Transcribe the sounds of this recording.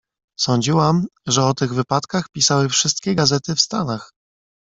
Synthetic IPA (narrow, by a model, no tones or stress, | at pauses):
sɔɲd͡ʑiwamʐɛɔt̪ɘɣvɘpat̪kaxpʲisawɘfʂɘst̪̚kʲɛɡazɛt̪ɘfst̪anax